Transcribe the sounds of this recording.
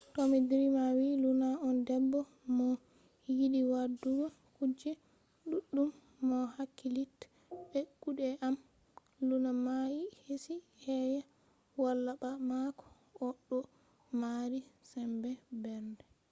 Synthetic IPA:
tomidiɾimawilunaɔndɛbːɔ | mɔ | jiɗiwadːuwa | kud͡ʒɛ | ɗuɗːumː | ɔhakːilit | ɓɛkːuɗɛʔam | lunamajihesi | hɛja | walːaɓamakɔ̥ | ʔɔɗːɔ | maɾisɛmbɛbɛɾdɛ

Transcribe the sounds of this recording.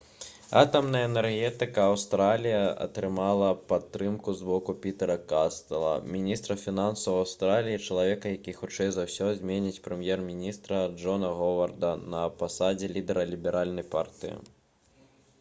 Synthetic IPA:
a̰t̪ɐmnɐjɐɛnɛrɣʲɛt̪ɨkɐːwst̪ɾalʲijɐʔɐ̰t̪ɾɨmalˠɐpat̪ːɾɨmkuzbɔkupʲit̪ɛɾɐkast̪ɐlˠɐ̰mʲinʲist̪ɾɐfʲinansɐwawst̪ɾalʲijit͡ʂɐlˠavʲɛkɐjakʲixut͡ʂɛjzawsʲɔzʲmʲɛnʲit͡sʲpɾɛmʲjɛrmʲinʲist̪ɾɐʐɔnɐɣɔvɐrd̪ɐnɐpasad͡zʲɛlʲid̪ɛɾɐlʲibʲɛɾʔalʲnɐjpa̰rt̪ɨjḭ

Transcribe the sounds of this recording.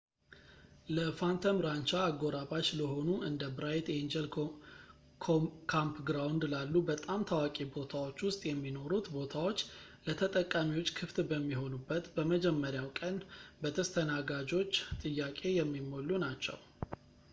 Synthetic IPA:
ləfant̪ʰəmɾant͡ʃaːɡo̞ɾaβat͡ʃləho̞nuʔɨnd̪əbɾajt̪jɛnd͡ʒel | kʰokʰampɡɾawnd̪lalːubət̪ʼamt̪ʰawakʼebo̞t̪ʰawo̞t͡ʃːwʊst̪ʼjɛmːino̞ɾut̪bo̞t̪ʰawo̞t͡ʃː | lət̪ʰət̪ʼəkʼːamiwo̞t͡ʃːkʰɨft̪bəmːiɦo̞nubːət̪bəməd͡ʒɛmːəɾjawkʼənbət̪ʰəst̪ʰənaɡad͡ʒo̞t͡ʃːt̪ʼɨjːakʼe̞jɛmːimolːunat͡ʃːɛ̰w

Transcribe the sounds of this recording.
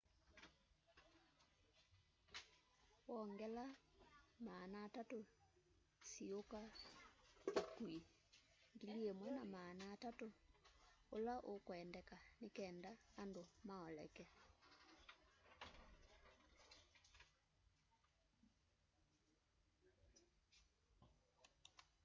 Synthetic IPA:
wɔŋɡɛla | maːnaːtato | sioka | okwi | ŋɡiliemwɛnamaːnaːtato | olaʔokwɛndɛkanekɛːndaːndomaɔlɛ̰kɛ

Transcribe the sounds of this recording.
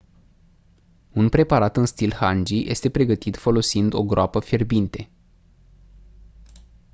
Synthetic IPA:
unpɾe̞paɾat̪ɨnst̪ilhand͡ʒijʔe̞st̪e̞pɾe̞ɡət̪it̪fo̞lo̞sind̪o̞ɡɾoapəfe̞rbint̪e̞

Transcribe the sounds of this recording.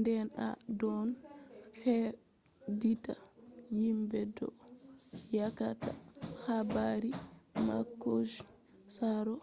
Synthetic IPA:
ndɛna̰dɔnhɛ | ditajimbɛdɔ̰ | jakata̰xabaɾima̰kːod͡ʒ | saɾɔ

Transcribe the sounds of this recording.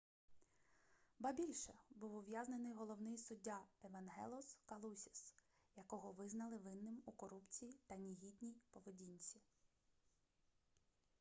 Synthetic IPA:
bɐbʲilʲʃɛbuwʊʋʲjaznenɪjɦɔlˠɔwnɪjsʊdʲːaeʋɐnɦɛ̰lˠʊskɐlˠusʲis | jɐkɔɦɔʋɪznɐlˠɪʋɪnːɪmukɔɾupt͡sʲijit̪ɐnʲiɦʲid̪ʲnʲijpɔʋedʲinʲt͡sʲi

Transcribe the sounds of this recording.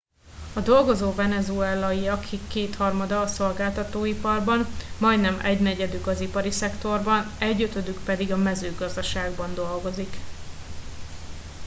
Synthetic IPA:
ɒd̪o̞lɡo̞zoːvɛnɛzuɛlːɒiɒkʰːikːeːt̪hɒrmɒd̪ɒːso̞lɡaːlt̪ɒt̪oːipɒrbɒnmɒjd̪nɛmɛ̰ɟnɛɟɛd̪ykɒzipɒɾisɛkt̪o̞rbɒnɛɟːøt̪ø̞d̪ykpɛd̪iɡɒmɛzøːɡɒzd̪ɒʃaːɡbɒnd̪o̞lɡo̞zik

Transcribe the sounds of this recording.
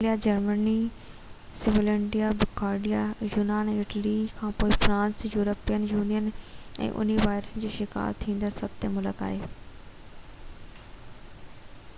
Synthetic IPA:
lijad͡ʑɐɾməni | sɪʋəlɛ̃ɳɖijabɪɡaːɾɖijajuːnaːnɛ̃ːɪʈəlikʰãːpoːifɾãːnsjuːɾəpijənjuːnijənɛ̰̃ːʔʊ̰n̤iʋaːɪɾəsənd͡ʑoːʃɪka̰ːɾt̪ʰĩːnd̪əɾsɐb̚t̪emʊləka̰ːɦeː

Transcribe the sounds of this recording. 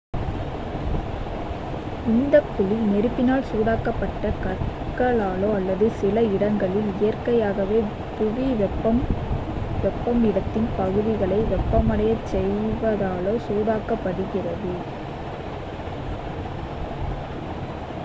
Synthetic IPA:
ɪnd̪ɐpːʊlinɛɾɯpːɪnaːlsuːðaːkɐpːɐʈːɐkɐɾ | kɐɭaːloːɐlːɐðɯsɪlɐɪɽɐŋɡɐɭɪlɪjɐrkɐjaːɣɐʋeː | pʊʋiʋɛpɐ | ʋɛpːɐmɪɽɐt̪ːɪnpɐɣɯðɪɣɐɭɐɪʋɛpːɐmɐɽɐjɐt͡ʃːɛjʋɐðaːɭoːsuːðaːkɐpːɐɽɯɣɪrɐðɯ

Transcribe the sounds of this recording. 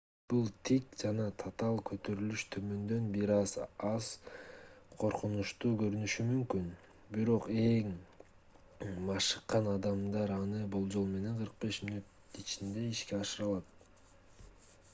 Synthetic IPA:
b̥ulˠt̪ʰikd͡ʒɑnɑt̪ʰat̪ɑlˠkʰø̞t̪ø̞ɾylyʃt̪ʰø̞mø̞nd̪ø̞nbiɾɑzɑz̥ | qʰo̞ɾqunuʃt̪uːkø̞ɾynyʃymymkyn | biɾo̞qe̞ŋ | mɑʃɯ̥qːɑnɑd̪ɑmd̪ɑɾɑnɯbo̞lˠd͡ʒo̞lˠme̞ne̞ɴqʰɯɾq̚be̞ʃminut̪ | it͡ʃind̪e̞iʃke̞ɑʃɯɾɑlˠɑt̪̚

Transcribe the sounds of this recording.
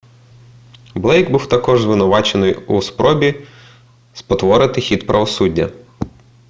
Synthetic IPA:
blˠɛjɡbuwt̪ɐkɔʒzʋɪnʊʋɑt͡ʃenɪjuspɾɔbʲi | spɔt̪ʋɔɾɪt̪ɪxʲid̪pɾʔɐʋɔsudʲːɐ̰

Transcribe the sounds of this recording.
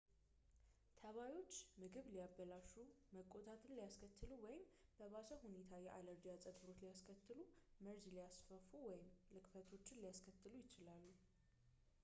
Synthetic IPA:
t̪ʰəβajo̞t͡ʃːmɨɡɨβlijabːəlaʃu | məkʼːo̞t̪ʼat̪ʰɨnlijaskʰət̪ːɨluwɔjɪmb̥əβasəhune̞t̪ʰajɛʔaləɾd͡ʒijat͡sʼəd̪bɨɾo̞t͡ʃlijaskʰət̪ːɨlumɨɾzlijasfəfuwɔjɪmlɨkfət̪ʰo̞t͡ʃːɪnlijaskʰət̪ːɨlujɪt͡ʃɪlalːu

